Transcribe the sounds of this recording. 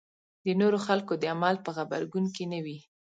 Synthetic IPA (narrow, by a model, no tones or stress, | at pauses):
d̪ənoɾoxalkod̪əamalpəɣaba̰ɾɡunkenawi